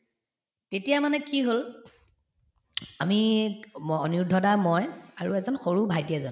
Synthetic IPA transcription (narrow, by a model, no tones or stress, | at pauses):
tetijamanɛkiɦol | ami | ɔniɹdʱɔdamɔjaɹṵɛzɔnxoɹubʱajdiɛzɔn